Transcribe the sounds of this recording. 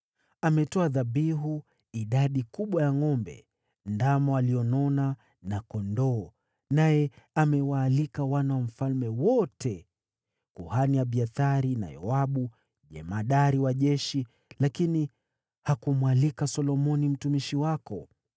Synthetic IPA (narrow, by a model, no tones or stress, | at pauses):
amɛtɔaðaɓiɦu | iɗaɗikuɓwajaŋɔmbɛ̰ | ndamɔaliɔnɔna | nakɔndɔː | najɛamɛwaːlikawanawam̩falmɛwɔtɛ | kuhanijaɓiaθaɾina̰jɔ̰aɓu | ʄɛ̰maɗaɾiwaʄɛʃi | lakini | hakumwalikasɔlɔmɔnim̩tumiʃiwakɔ